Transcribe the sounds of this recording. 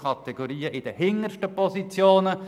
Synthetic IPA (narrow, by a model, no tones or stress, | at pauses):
ɑt̪ɛɡ̥oɾiːəʔɪd̥̪əhɪŋːəɾʃtəpɔsit͡sjoːnə